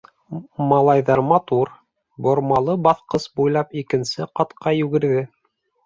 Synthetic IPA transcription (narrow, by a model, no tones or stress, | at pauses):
mɑlˠɑjðɑɾmɑt̪uɾ | bŏɾmɑlˠɤbɑθqɤsbujlˠɑpikɘ̆nsɘqɑt̪qɑjʉɡɘ̆ɾðɘ